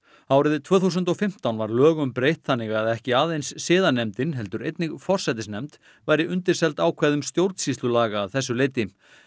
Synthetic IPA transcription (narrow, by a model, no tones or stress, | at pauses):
awɾɪðɪt̪ʰvœːθus̬ʏnt̪ɔfɪm̥t̪awnvaɾlœːɣʏmpɾejht̪θanːɪɣaðɛhcɪaːðejnsːɪːðanɛmt̪ɪnɦɛlt̪ʏɾejt̪nɪɣfɔr̥sɛt̪ɪsnɛmt̪ | vajɾɪʔʏnt̪ɪɾ̥sɛlt̪aːwkʰvɛːðʏmst̪jowɾt̪sist̪lʏlaːɣaːðθɛs̬ːʏlejt̪ɪ